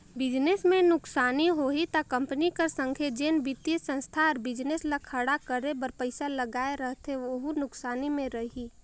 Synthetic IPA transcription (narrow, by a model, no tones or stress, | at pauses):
bɪd͡ʒnesmẽnʊksaːniɦoːit̪akɐ̃mpənikəɾsə̃ŋkʰed͡ʒeːnbɪt̪jisə̃nst̪ʰaːɾbɪd͡ʒneslakʰəɽakəɾebəɾpəɪsaləɡaːeɾəɦt̪ɦeʋoɦunʊksaːnimẽɾəɦi